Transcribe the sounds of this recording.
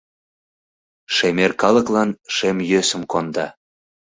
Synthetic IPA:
ʃemerkɑləklɑnʃemjøsə̆mkond̪ɑ

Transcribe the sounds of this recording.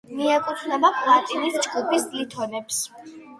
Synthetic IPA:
miakʼut̪ʰnabapʼlˠat̪ʼinist͡ʃʼɡʼupʰʼisd̪it̪ʰɔnɛps

